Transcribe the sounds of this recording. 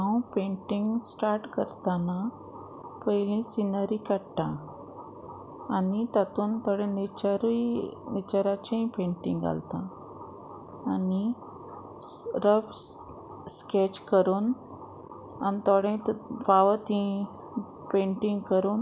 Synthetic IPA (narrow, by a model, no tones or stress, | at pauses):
awpẽɳʈiŋɡsʈaɾʈkəɾt̪ana | pəjlĩsinəɾikaɽt̪ã | nit̪at̪uːnt̪ɔɽẽnet͡ɕaɾujnit͡ɕəɾat͡ɕẽpẽɳʈḭŋɡa̰lt̪a | ni | ɾəf | sket͡ɕkəɾuːn | a̰nit̪ɔɽẽt̪faʋət̪ĩ | pẽɳʈĩŋɡkəɾuːn